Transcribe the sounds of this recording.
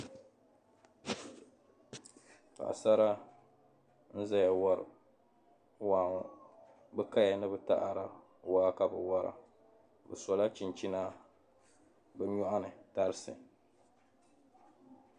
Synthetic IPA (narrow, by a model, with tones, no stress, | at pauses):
ka̰˨a̰˨sa˦ɾa˦ | n̩˦za˦ja˨wa˦ɾɨ̰˨ | waː˨˦˨ŋ˦ | bɛ˦ka˦ja˨nɨ˦bɨ˦ta̰˦ʔa˨ɾa˨ | waː˦ka˨bɨ˨wa˦ɾa̰˨ | bɛ̰˨sɔ˨la˦t͡ʃi˨nt͡ʃi˦na˦ | bɛ˦ɲɔ˦ʔa˦nɨ˨ta˦ɾɨ˦sɨ̰˨